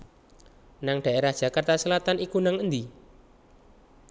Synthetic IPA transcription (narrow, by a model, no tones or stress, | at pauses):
naŋɖ̪̥a̤ʔeɾahd̥ʒ̥akart̪asəlat̪anikunaŋənd̪i